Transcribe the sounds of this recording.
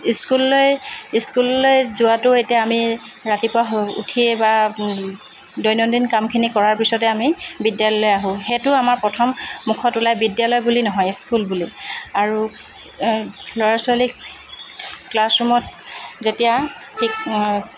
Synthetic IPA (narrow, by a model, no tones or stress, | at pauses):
iskulːojiskulːojzʊatʊetijaamiɹatipʊaṵtʰieba | dɔjnɔdinkamkʰinikɔɹaɹpisɔtɛamibidjalɔɔjaɦʊ̃xetʊamaɹpɹɔtʰɔmːukʰɔtulajbidjalɔjbulinɔɦɔjiskulbuliaɹu | lɔɹasali | klasɹumɔtzetija | tʰik